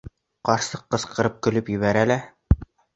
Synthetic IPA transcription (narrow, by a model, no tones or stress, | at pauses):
qɑɾsɤqːɤ̆sqɤ̆ɾɤp̚kɵ̆lɵpjɵ̆βæɾælæ